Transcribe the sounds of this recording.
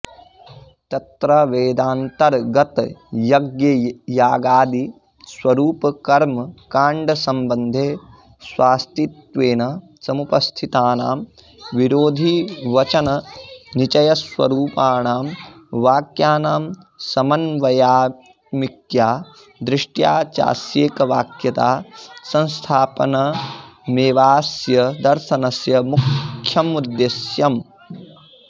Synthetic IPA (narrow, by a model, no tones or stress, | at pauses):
t̪ɐt̪ɾɐʋeːd̪aːnt̪ɐɾɡɐt̪jɐɡjɐjaːɡaːd̪i | swɐɾuːpɐkɐɾmkaːɳɖɐsɐmbɐnd̪ʱeː | swaːst̪it̪ʋeːnɐ | sɐmupɐst̪ʰit̪aːnaːm | ʋiɾoːd̪ʱiʋɐt͡ʃɐnɐnit͡ʃɐjɐsʋɐ̰ɾuːpaːɳaːmʋaːkjaːnaːm | sɐmɐnʋɐjaː | mikjaː | d̪ɾɪʂʈjaːt͡ʃa̰ːsjeːkɐʋaːkjɐt̪aːsɐ̃nst̪ʰaːpɐnɐmeːʋaːsjɐd̪ɐɾʃɐnɐsjɐmukʰjɐmud̪jesjɐm